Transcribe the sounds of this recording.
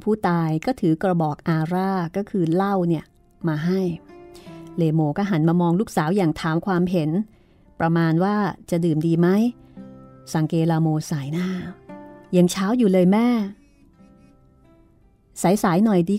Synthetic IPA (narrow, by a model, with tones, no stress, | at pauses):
pʰuː˥˩t̪aː˧jkɔː˥˩t̪ʰɯː˩˦kɾa˧bɔː˨˩k̚ʔaː˧ɾaː˥˩kɔː˥˩kʰɯː˧la˥˩wni˥˩ɐ | maː˧ɦa˥˩j | leː˧moː˧kɔː˥˩ɦa˩˦nmaː˧mɔː˧ŋluː˥˩k̚saː˩˦wjaː˨˩ŋt̪ʰaː˩˦mkʰwaː˧mɦe˩˦n | pɾa˧maː˧nwaː˥˩t͡ɕa˨˩dɯː˨˩mdiː˧ma˦˥j | sa˨˩ŋkeː˧laː˧moː˧saː˩˦jnaː˥˩ | jaː˨˩ŋt͡ɕʰaː˦˥wjuː˨˩lɤː˧jmɛː˥˩ | saː˩˦jsaː˩˦jnɔ˨˩jdiː˧